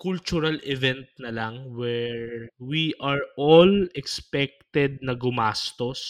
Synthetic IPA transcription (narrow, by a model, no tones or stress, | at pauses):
kʊlt͡ʃʊɾɐlɛvɛnt̪̚nɐlɐŋwɛɹwiʔaɹʔolɛkspɛk̚t̪ɛd̪̚nɐɡʊmast̪os